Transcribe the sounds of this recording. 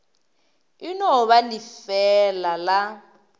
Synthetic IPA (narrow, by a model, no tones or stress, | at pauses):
inɔɔβalifɛlala